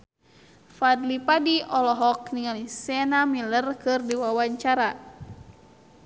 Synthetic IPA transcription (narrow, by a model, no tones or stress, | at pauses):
fadlipadiʔɔlɔɦɔk̚niŋalisɛnamilərkɨrdiwawaɲt͡ʃaɾa